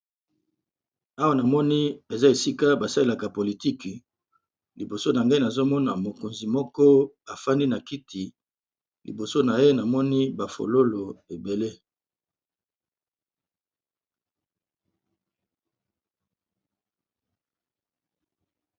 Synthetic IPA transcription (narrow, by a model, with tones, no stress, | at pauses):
a˦wa˦na˨mɔ˦ni˦e˨za˦e˨si˦ka˦ba˨sa˦le˦la˨ka˨po˨li˨ti˦k | li˨bo˨so˦na˨ŋɡa˦i˦na˨zo˦mɔ˦na˨mo˨ko˨nzi˨mɔ˦kɔ˦ | a˨fa˦ndi˦na˨ki˦tʰi˨ | lḭ˨bo˨so˦na˨je˦na˨mɔ˦ni˦ba˨fo̰˨lo˦lo˨e˨be˨le˦